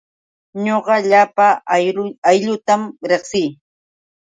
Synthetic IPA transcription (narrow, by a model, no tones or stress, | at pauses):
ɲoɢɑʎapa | ajʎʊt̪amɾeχsɪː